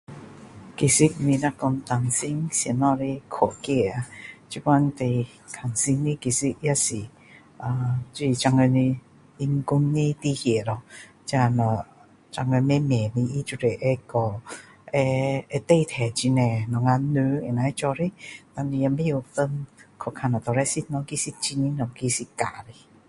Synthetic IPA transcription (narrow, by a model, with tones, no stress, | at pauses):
ki˨˩si˦˥k̚mĩ˧na˦˧kɔ˧nt̪a˧ŋsi˧˦ŋsi˧˨nɔ˧ɾi˧kʰɔ˨˩˨ki˧˨a˧t͡ɕi˧˦ka˧nt̪e˧˩ | kʰa˨˩ŋsi˧ŋli˦˧ki˨˩si˦ʔja˦˧si˨ | a˨˧t͡ɕu˧i˧˨t͡ɕa˧ŋə˧ni˧ | i˧ŋku˧ŋni˧t̪i˧hi˨˩˨lɔ˧ | t͡ɕa˧nɔ˧˨ | t͡ɕa˧ŋə˧mɛ˦mɛ˨˩ni˧ʔi˦t͡ʃu˧ɾe˨ʔɛ˧kɔ˨ | ɛ˧ɛ˧t̪e˥˧˨t̪ʰɛ˨˩t͡ɕi˧nɛ˨nɔ˨ŋa˧nːɨ˧˦ɛ˨na˨˧ɛ˧˦t͡ʃɔ˧ɾi˦t̪a˧ni˧ja˧me˦ju˧t̪ə˧nkʰɔ˧˨kʰa˧˨na˨˩t̪ɔ˨ɾɛ˧˦si˧t̪̚nɔ˧ki˧˦si˧t̚t͡ɕi˧ni˧˦nɔ˨˩ki˧si˧ka˨ɾi˧˨